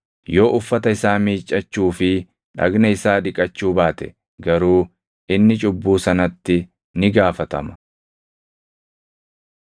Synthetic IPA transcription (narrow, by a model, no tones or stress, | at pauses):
jo̞ːʔʊfːɐt̪ɐɪsaːmiːt͡ʃʼːɐt͡ʃːuːfɪ | ᶑɐ̰ɡnɐɪsaːᶑɪkʼɐt͡ʃːuːbaːt̪ɛ̥ | ɡɐɾuː | ʔɪnːɪt͡ʃʼʊbːuːsɐnɐt̪ːɪ | nɪɡaːfɐt̪ɐ̰mɐ̥